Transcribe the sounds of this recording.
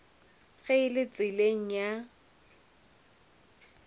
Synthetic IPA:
ɣeɪlɪt͡sʼɪleŋ̩ja

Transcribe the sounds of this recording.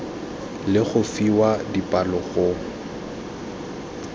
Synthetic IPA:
lɪɣʊfiwadipʼalɔɣʊ

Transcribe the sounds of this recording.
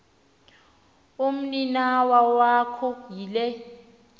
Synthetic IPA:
um̩ninawawakʰɔjilɛ

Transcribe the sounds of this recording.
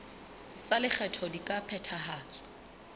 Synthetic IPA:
t͡salɪk͡xʰɛtʰɔdikʼapʰɛtʰaɦaːt͡sʼɔ̥

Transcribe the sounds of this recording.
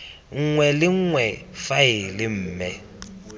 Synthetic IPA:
ŋ̩ŋwɛlɪŋ̩ŋwɛfaɪlɪm̩ːmɛ

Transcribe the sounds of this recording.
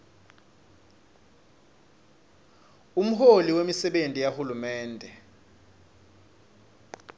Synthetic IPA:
um̩holiwemisɛɓentʼijahulumɛːndʱɛ

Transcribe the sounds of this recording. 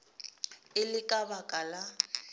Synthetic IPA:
ɪlɪkʼabakʼala

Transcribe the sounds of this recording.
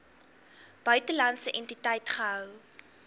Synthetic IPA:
b̥œɥtəlɐntsəʔɛntitəjtχəɦœw

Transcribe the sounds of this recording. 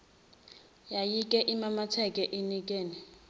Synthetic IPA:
jajikʼɛʔimamatʰɛkʼɛʔinikʼeːni

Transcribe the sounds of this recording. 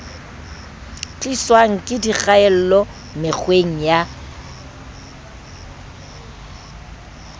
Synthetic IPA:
t͡ɬʼiswaŋ̩kʼɪdiɣaɛl̩lɔ | mɪk͡xʰweŋ̩ja

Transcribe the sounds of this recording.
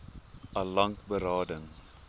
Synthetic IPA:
ʔɐlɐŋkbəɾɑːdəŋ

